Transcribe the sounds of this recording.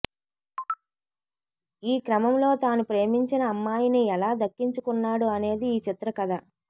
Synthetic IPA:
iːkɾɐmɐmlo̞ːt̪aːnupɾe̞ːmiɲt͡ʃinɐːmːaːjiniɛlaːd̪ɐkːiɲt͡ʃukunːaːɽuɐne̞ːd̪iːt͡ʃit̪ɾɐkɐd̪a

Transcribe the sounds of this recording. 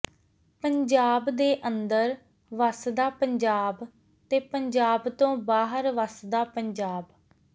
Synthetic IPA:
pəɲd͡ʒaːbd̪eːʔənd̪əɾ | ʋəsd̪aːpəɲd͡ʒaːb | t̪eːpəɲd͡ʒaːbt̪õːbaːɦəɾʋəsd̪aːpəɲd͡ʒaːb

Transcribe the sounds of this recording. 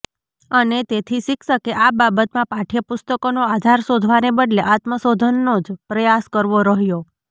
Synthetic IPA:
ənet̪et̪ʰiʃɪkʃəkeʔababət̪mãpaʈʰijapʊst̪əkonoad̪ʱaɾsod̪ʱʋanebəɖleʔat̪məsod̪ʱənːod͡ʒpɾəjaskəɾʋoɾəɦjo

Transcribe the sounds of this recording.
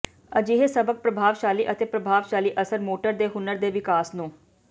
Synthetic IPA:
əd͡ʒiɦeːsəbək̚pɾəbʱaːʋʃaːliːʔət̪eːpɾəbʱaːʋʃaːliːʔəsəɾmoːʈəɾd̪eːɦʊnəɾd̪eːʋɪkaːsnũː

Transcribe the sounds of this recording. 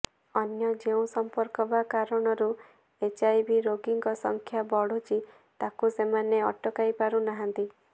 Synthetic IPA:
ɔnjɔd͡ʒeũsɔmpɔɾkɔbakaɾɔɽ̃ɔɾu | et͡ʃajbiɾoɡiŋɡɔsɔŋkʰjabɔɽ̤ut͡ʃʰi | t̪akusemaneɔʈɔkajpaɾunaɦant̪i

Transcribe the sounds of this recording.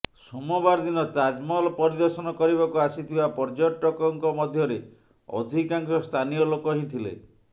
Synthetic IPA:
sɔmɔbaɾd̪inɔt̪ad͡ʒmɔlɔpɔɾid̪ɔɾsɔnɔkɔɾiβakuasit̪ʰibapɔɾd͡ʒɔʈɔkɔŋkɔmɔd̪ʱjɔɾe | ɔ̰d̪ʱikaŋsɔst̪ʰanijɔlokɔɦĩt̪ʰilḛ

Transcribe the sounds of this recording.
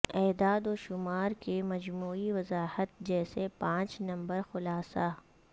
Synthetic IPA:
ɛːd̪aːd̪oːʃʊmaːɾkemɐd͡ʒmuːiʋɐzaːhət̪̚d͡ʒɛːsepãːt͡ʃnɐ̃mbəɾxʊlaːsaː

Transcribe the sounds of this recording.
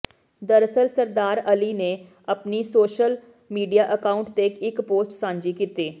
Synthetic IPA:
d̪əɾsəlsəɾd̪aːɾəliːneː | əpniːsoːʃəl | miːɖijaːʔəkaːʊɳʈt̪ekɪkpoːsʈsãːɲd͡ʒiːkit̪eː

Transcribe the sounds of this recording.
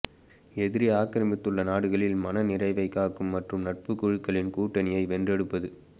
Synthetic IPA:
ɛðɪɾiaːkːɐɾɐmɪt̪ːɯɭːɐnaːɽɯɣɐɭɪlmɐnɐnɪrɐɪʋɐɪkːaːkɯmːɐʈrɯmnɐʈ̚pɯkːʊɻɯkːɐɭɪnkuːʈːɐnɪjɐɪʋɛndrɛɽɯpːɐðɯ

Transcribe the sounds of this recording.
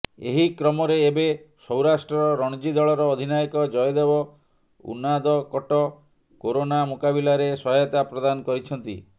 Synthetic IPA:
ḛɦikɾɔmɔɾeːbesɔwɾasʈɾɔɾɔɾɔɽ̃d͡ʒid̪ɔɭɔɾɔːd̪ʱinajɔkɔd͡ʒɔjɔd̪ebɔ | ṵnːad̪ɔkɔʈɔ | koɾonamukabilaɾesɔɦjɔt̪apɾɔd̪anɔkɔɾit͡ʃʰɔnt̪ḭ

